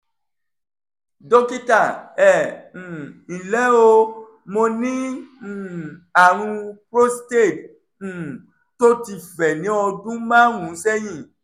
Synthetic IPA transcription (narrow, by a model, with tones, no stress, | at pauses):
do˦ki˦ta˦˨ɛ̃˨ | ĩ˨lɛ˨˦o˧ | mo˧nĩ˦˨ | a˨ɾ̃ũ˧pɾo˦ste˦˨t̩̚ː˨ | to˦ti˦˨fɛ˨nĩ˨˦ɔ˧dũ˦mã˦ɦũ˨˦sɛ˦j̃ĩ˦˨